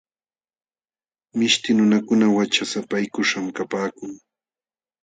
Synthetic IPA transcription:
mɪʃt̪ɪnʊnakʊnawat͡ʃasapajkʊʂamkapaːkʊŋ

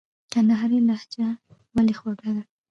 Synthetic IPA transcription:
kanaɦaɾelahd͡ʒa | walexwaɡad̪a

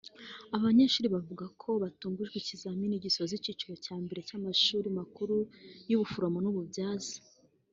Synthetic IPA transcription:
aβaɲeʃuːɾiβavuɡakʰo̞βatuːŋɡuʒɡwicizaminiɟisozicit͡ʃuɾo̞caːmbe̞ɾe̞camaʃuːɾimakuɾujuβufuɾomonuβubjaːzḁ

